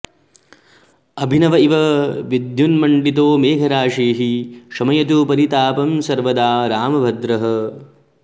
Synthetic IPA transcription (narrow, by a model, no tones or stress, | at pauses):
ɐbʱinɐʋɐiʋɐʋid̪junmɐɳɖit̪̬oːmeːkʰɐɾaːʂiːɦiʃɐmɐjɐt̪upɐɾit̪aːpɐmsɐɾʋɐd̪aːɾaːmɐbʱɐd̪ɾɐɦɐ